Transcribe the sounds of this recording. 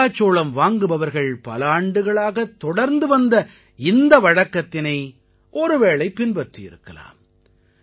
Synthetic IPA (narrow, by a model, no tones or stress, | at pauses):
aːt͡ʃːoːɭɐmʋaːŋɡɯʋɐʋɐɾɣɐɭpɐ̰lɐaːɳɖɯɣɐɭaːɣɐt̪ːɔɽɐɾnd̪ɯʋɐnd̪ɐ | ɪnd̪ɐʋɐɻɐkːɐt̪ːɪnɐɪ | ʔɔɾɯʋeːɭɐɪpːɪnpɐʈrijɪ̰ɾɯkːɐla̰ːm